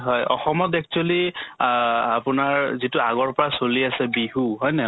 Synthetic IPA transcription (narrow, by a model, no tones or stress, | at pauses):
ɦɔjʔɔ̰xɔmɔtɛk̚t͡ʃuali | a̰pʊnaɹzitʊaɡɔɹpɔɹasoliasɛbiɦuɦɔjnɛ